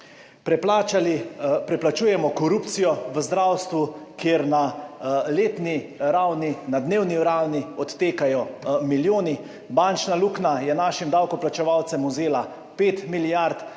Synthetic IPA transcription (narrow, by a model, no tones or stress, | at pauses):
pp | pɾɛplat͡ʃuːjɛmɔkɔɾuːpt̪sijɔʋəzd̪ɾawst̪ʋukeːɾnaleːt̪niɾawninad̪neːwniɾawniɔt̪ːeːkajɔmiljoːni | bant͡ʃnaluːknajɛnaʃimd̪awkɔplat͡ʃɛʋawt̪sɛmuzeːla | peːt̪miljaɾt̪